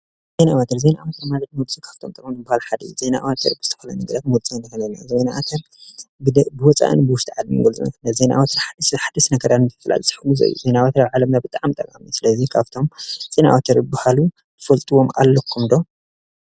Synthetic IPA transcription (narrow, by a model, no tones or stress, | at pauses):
zenaawat̪ʰɐɾzenaʔawat̪ʰɐɾmazɐt̪nwlt͡sʼukʰaβt̪ʰomt̪ʼɐkʼmnɨbahalħad̪ɐ̰ze̞naʔawat̪ʰɐɾbɨz̥ɨt̪ʰɐ̥fɐlɐ̰nɨɡɾɐfmwlt͡sʼunɐkɐlɐnajzenaʔat̪ʰɐɾ | bɨwɔt͡sʼa̰ʔɨ̰nbɨwʊʃt̪iʕad̪mḭɡɐlt͡sʼṵnkɨnazena̰ʔawat̪ʰɐɾħad̪ħad̪ɐsnɐɡɐɾanʰfɨla̰lsʼɨ̥ħkluzɐ̰j̰zenawat̪ʰɐɾaβʕalɐmnabɨt̪ʼaʕmt̪ʼɐkʼa̰misɨlɐzikʰaβt̪ʰo̞mz̥enaʔa̰wat̪ʰɐɾbahalu | t̪ʰɨfɐlt̪ʼɨwoma̰lːokʰːumd̪o